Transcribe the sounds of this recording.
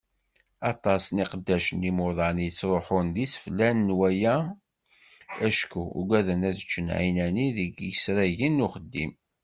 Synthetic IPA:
ɑt̪ˤɑsniqəd̪ːæʃənimʊðˤɑnjət͡sːɾˤoħʊnðisə̥flænəːwæjæ | æʃkṵɡæðənæðət͡ʃːənʕinæniðəɡjəsɾæʝinːuχəd̪ːim

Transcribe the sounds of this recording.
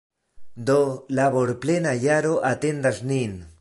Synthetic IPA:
d̪olaβoɾplenaʎaɾoʔat̪end̪asnin

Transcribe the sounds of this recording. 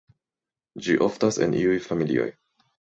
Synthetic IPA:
d͡ʒiʔoftasḛnʔiujfamilḭo̞̰j

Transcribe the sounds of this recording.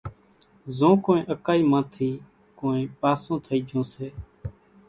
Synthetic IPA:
zõːkõːẽːʔəkaːiːmãːt̪ʰiː | kõːẽːpaːsõːt̪ʰəiːd͡ʒʱõːseː

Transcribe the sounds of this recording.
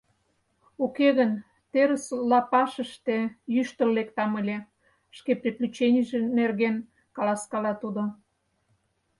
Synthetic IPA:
ukeɣən | t̪eɾəslɑpɑʃəʃt̪ejyʃt̪ə̆lːek̚t̪ɑməlʲe | ʃkeprʲiplʲyt͡ɕenʲiʒenerɣen | kɑlɑskɑlɑt̪ud̪o

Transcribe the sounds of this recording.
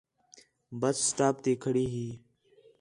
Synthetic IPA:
bəsːʈaːp̚t̪iːkʰəɽiːɦiː

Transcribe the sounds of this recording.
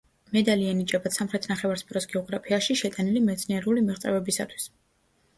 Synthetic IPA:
mɛd̪alianit͡ʃʼabat̪samχɾɛt̪ʰnaχɛvaɾspʼiɾɔsɡɛɔɡɾapʰiaʃiʃɛt̪ʼanilimɛt̪sʰniɛɾulimiʁt̪sʼɛvɛbisa̰t̪ʰwi̥s

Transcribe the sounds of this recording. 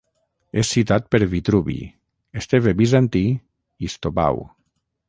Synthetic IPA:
esːit̪at̪̚peɾβit̪ɾuβḭ | est̪eβebizant̪i | ist̪opa̰w

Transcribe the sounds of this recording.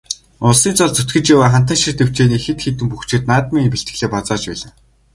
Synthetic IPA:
ʊɮsiːnt͡sɔɮt͡sɵt̪ɡɘ̆t͡ɕawaːχan̥t̪̬ə̆nʃĭrt̪ew̥t͡ɕeːniːxet̪xet̪ɘ̆mpuxt͡ɕʰɪ̆t̪naːt̪̚miːŋpiɬt̪ɡɘ̆ɮeːpat͡saːt͡ɕpæːɮə̆ŋ

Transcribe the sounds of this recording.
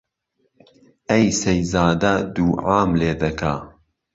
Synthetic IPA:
ɐjsɐjzaːd̪ɐd̪uːʕaːmleːd̪ɐkʰaː

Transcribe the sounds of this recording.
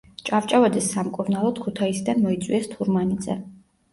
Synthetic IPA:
t͡ʃʼavt͡ʃʼavad̪ɛsːamkʼuɾnalˠɔd̪̥kʰut̪ʰaisd̪anmɔit̪sʼwiɛst̪ʰuɾmanid̪zɛ̰

